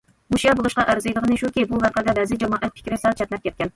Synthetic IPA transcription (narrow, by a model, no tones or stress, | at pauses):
muʃijɑbolˠuʃqɑʔæɾzɨjlˠəʁənɨʃukʲibuvæɾqæd̪ɛvæzɪd͡ʒɑmɑːʔɛt̪̚pʰɪ̥kʲɾɪsælt͡ʃʰɛt̪nɛp̚kʲɛt̪̚kʲɛn